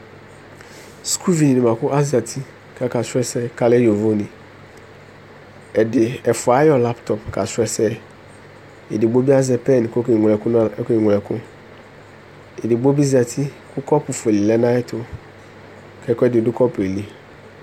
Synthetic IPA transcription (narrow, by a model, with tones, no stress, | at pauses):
skʰu˦vi˨nĩ˨nɪ̃˨mã˨kʊ˦ʔa˦zi˨a˨tʰi˦ | kʰa˦ka˨sʊ˦ɛ˦sɛ˦ka˦lɛ˦di˨o˨vo˦nĩ˨ | ɛ˨dɪ˨ɛ˨fʊ˨a˨˦jɔ˦la˦ptʰɔ˨pkʰa˨sʊ˦ɛ˦sɛ˦ | ḛ˨dɪ˨ɡ͡bo˦bi˦a˦zɛ˨pɛ˦˨n˨ko˦kŋ˨ɛ˨kʊ˦n˦ke˦˨ŋʷ˨lɛ˨kʊ̃˦ | e˨dɪ˨bo˦bi˦zi˨a˨tʰi˦kʰʊ˦kɔ˦pʊ˨fe˨li˨lɛ˦nã˦ɛ˦tʰʊ˦ | kʰɛ˦kɔ˦ɛ˦dɪ˨dʊ˦kʰɔ˦pʊ˨e˨li˦